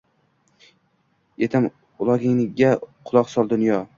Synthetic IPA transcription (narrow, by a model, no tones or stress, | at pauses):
jet̪ʰɪm | ʊlˠɒɡʲɪŋlɪɡʲaqʰʊlˠɒqsɒlˠd̪ʊnjɒ